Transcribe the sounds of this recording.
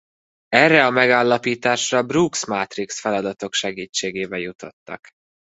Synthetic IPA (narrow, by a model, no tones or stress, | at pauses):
ɛrːɛɒmɛɡaːlːɒpiːt̪aːʃrɒbruksmat̪riksfɛlɒd̪ɒt̪o̞kʃɛɡiːt͡ʃːeːɡeːvɛjut̪o̞̰t̪ːɒ̰k